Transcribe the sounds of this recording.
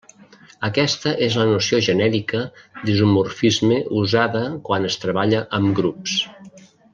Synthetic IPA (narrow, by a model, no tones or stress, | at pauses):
əkɛst̪əʔezlənusioʒənɛɾikəd̪izumurfizmeʔuzaðəkwanəst̪ɾəβaʎəʔəmɡɾups